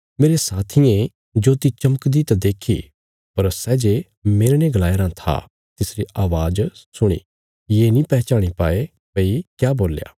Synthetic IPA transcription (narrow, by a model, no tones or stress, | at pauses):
meːɾesaːt̪ʰɪjẽ | d͡ʒoːt̪it͡ʃɐməkd̪it̪ãd̪eːkʰḭ | pɐɾsɛːd͡ʒe | meːɾneɡlaːjɾãt̪ʰa̰ | t̪ɪsɾiʔaːʋaːd͡ʒsʊɽ̃ḭ | jeːnĩpɛːt͡ʃaːɽ̃ipaːe | peikjaːboːlja̰ː